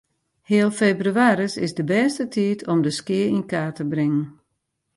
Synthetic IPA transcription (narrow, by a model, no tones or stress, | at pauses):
hɪːəlˠfeːbryaːɾəsɪsdəbɛːstətʰiːtʰɔmdəskɪəinkaːtəbrɪŋən